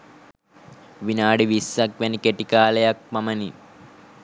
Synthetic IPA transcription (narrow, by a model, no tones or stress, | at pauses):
ʋinaːɽiʋisːɐkʋenikeʈikaːlɐjɐk̚mɐmɐni